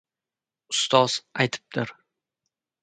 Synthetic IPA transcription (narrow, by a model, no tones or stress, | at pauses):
ʊst̪ɒz̥ajt̪ʰɪ̥p̚d̪̥ɪɾ